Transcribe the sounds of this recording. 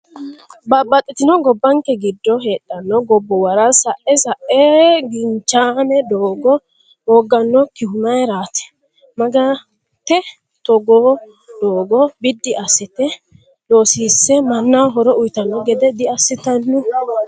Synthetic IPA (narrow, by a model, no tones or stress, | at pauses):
bɐbːɐt̪ʼːɪt̪ɪnɔɡɔbːɐŋkːɛɡɪd̪ːɔɦeːɗːɐnːɔɡɔbːɔwɐɾɐsɐʔɛsɐʔɛɡɪnt͡ʃːanɛd̪oːɡɔ | ɔːɡːɐnːɔkɪhʊmɐjɾaːt̪ɛ̥ | mɐɡɐ | t̪ːɛ | t̪ɔɡoː | d̪̥oːɡɔbɪd̪ːɪʔɐsːɪt̪ɛ | doːsiːsːɛmɐnːawɦɔɾɔʔʊjt̪ɐnːɔɡɛd̪ɛd̪ɪɐsːɪt̪ɐnːɪ